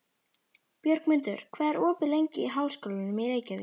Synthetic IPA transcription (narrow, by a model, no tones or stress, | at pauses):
pjœɾkmɪnt̪ʏ̰ɾ̥kʰvɛːðɛɾɔːpɪlejɲcɪiɦaːwskɔlvɪnʏmɪðɾeːjcaðɪ̰